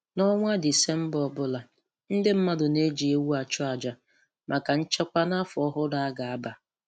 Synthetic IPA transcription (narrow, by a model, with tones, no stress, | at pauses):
nɔ˦ŋʷa˦dɪ˨se˦m̩˦bɔ˨bʊ˦la˨ | n̩˦dɪ˦m̩˦ma˦dʊ˨ne˦d͡ʒi˨e˦wu˦a˨t͡ʃʊ˦a˨d͡ʒa˨ | mʔa˨ka˨n̩˦t͡ʃa˦kʷa˦na˦fʊ˨ɔ˦ɦʊ˦da˨a˦ɡa˨a˦ba˨